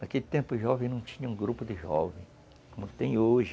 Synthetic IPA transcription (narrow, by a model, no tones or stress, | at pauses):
d̪ɐket̪ẽmpʊɪʒɔvẽj̃nɐ̃w̃t͡ʃĩɲɐũɡɾupʊd̪ɪʒɔ̰vẽj̃ | kõmʊt̪ẽj̃oʒɪ